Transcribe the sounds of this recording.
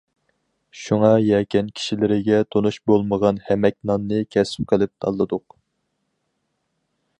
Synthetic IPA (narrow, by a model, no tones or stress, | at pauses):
ʃuŋɑjɛkʲɛnkʲʰi̥ʃilɪɾɪɡʲɛt̪ʰonuʃbolˠməʁɑnhɛmɛk̚ʲnɑnːɨkʲʰɛsɪ̥p̚qʰəlˠɪp̚t̪ʰɑ̰lˠːɨd̪ʊq